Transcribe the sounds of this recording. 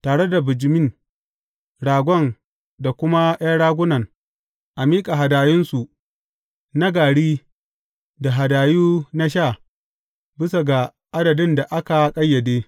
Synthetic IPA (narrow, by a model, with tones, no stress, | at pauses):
taː˨ɽe˦da˨bɪ˨d͡ʒɪ˨mɪ˦n | ɽaː˨ɡʷɔ˦˨n | da˨kʷʊ˦ma˦j̰aː˦ɽaː˦ɡʷʊ˦nɐ˨ŋ | ʔa˨miː˦kʼa˨ɦa˨daː˨jɪ˦nsu˨ | na˦ɡaː˨ɽiː˦ | da˨ɦa˨daː˨juː˦na˦ʃ̬a˦˨ | bɪ˦sa˨ɡa˨ | ʔa˦dɐ˨dɪ˦nda˨ʔa˦ka˨kʼɐ˦jːɐ˨deː˦